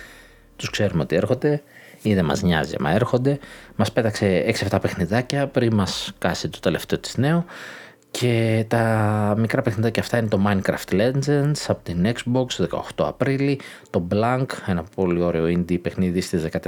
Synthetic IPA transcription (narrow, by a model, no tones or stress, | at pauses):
t̪uskse̞ɾumeo̞t̪ie̞ɾxo̞nd̪e̞iðemɐ̰zɲɐ̰ziɐ̰mɐ̰e̞ɾxo̞nd̪e̞mɐspe̞t̪ɐkse̞eksiɐft̪ɐpe̞xniðɐcɐpɾinmɐskɐsit̪ot̪e̞le̞ft̪e̞o̞t̪i̥zne̞o | cʰe̞t̪ɐmikɾɐpe̞xniðɐcɐːft̪ɐine̞t̪o̞mɐinkɾɐ̰ft̪le̞nd͡zensɐpo̞t̪inekzbo̞ksoðe̞kɐ̰o̞̰xt̪o̞ɐ̰pɾilit̪o̞blɐŋke̞nɐpo̞lio̞ɾeo̞ind̪ipe̞xniðiist̪ezðekɐt̪